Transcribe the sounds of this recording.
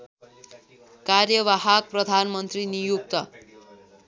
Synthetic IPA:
karjʌβaɦak̚prʌd̪ʱanmʌnt̪rinijuk̚t̪ʌ

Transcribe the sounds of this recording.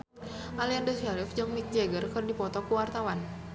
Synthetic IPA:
ʔaliandɔsialifd͡ʒəŋmik̚d͡ʒɛɡərkɨrdipɔt̪ɔkuwart̪awan

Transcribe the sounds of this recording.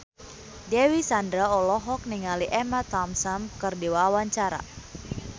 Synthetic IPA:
dɛwisandɾaɔlɔɦɔk̚niŋaliʔɛmat̪amsamkɨrdiwawaɲt͡ʃaɾa̰

